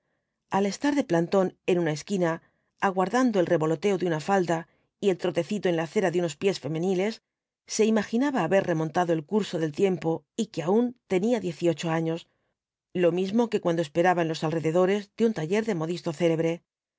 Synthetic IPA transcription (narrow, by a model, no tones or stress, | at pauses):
ale̞st̪aɾðe̞plant̪o̞ne̞nũnaeskinaː | ɣwaɾðand̪o̞elre̞βo̞lo̞t̪e̞oðeunafald̪a | ie̞lt̪ɾo̞t̪e̞θit̪oenlaθe̞ɾaðeuno̞spje̞sfe̞mẽ̞nile̞sː | e̞imaxinaβaːβe̞ɾre̞mõ̞nt̪aðo̞e̞lkuɾso̞ðe̞lt̪je̞mpo̞ | ikeaunt̪e̞niaðje̞θio̞t͡ʃo̞aɲo̞s | lo̞mizmo̞ke̞kwand̪ospe̞ɾaβaenlo̞salreðe̞ðo̞ɾe̞zd̪eunt̪aʝe̞ɾðe̞mo̞ðist̪o̞θe̞le̞βɾe̞